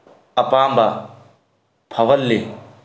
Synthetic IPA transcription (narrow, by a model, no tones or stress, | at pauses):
ɐpaːmbɐ | pʰɐwɐlːe